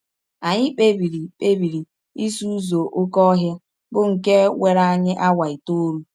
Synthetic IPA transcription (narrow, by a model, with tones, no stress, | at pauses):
a˨ɲɪ˦k͡pe˦bi˨ɾi˨k͡pe˦bi˨ɾi˨ | i˦su˦u˦zo˨ʔʊ˦kɔ˦ɦja˦ | bʊ˦ŋ̩˨ke˦we˨ɾa˦a˦ɲɪ˦ʔa˦wa˨i˨to˦ɾu˦